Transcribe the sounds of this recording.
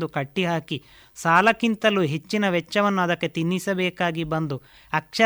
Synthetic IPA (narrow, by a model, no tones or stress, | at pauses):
d̪ukɐʈːiɦaːki | saːlɐkint̪ɐluɦe̞t͡ʃːinɐʋɛt͡ʃːɐʋɐnːuɐd̪ɐkːe̞t̪inːisɐbɛːkaːɡibɐnd̪u | ɐkʂɐ